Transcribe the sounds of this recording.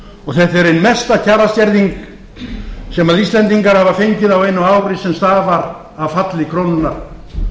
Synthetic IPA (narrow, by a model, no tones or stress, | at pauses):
ɔɣθɛt̪ɛɾejnmɛst̪acʰaːɾasc̪ɛɾðiŋk | sɛmaðist̪lɛnt̪iŋkaɾ̥havafejɲcɪðawejnːʏaːwɾɪsɛmst̪aːvaɾ | avfat̪lɪkʰɾownʏnːaɾ̥